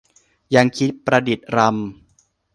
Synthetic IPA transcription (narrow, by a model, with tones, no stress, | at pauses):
ja˧ŋkʰi˦˥t̪̚pɾa˧di˨˩t̪̚ɾa˧m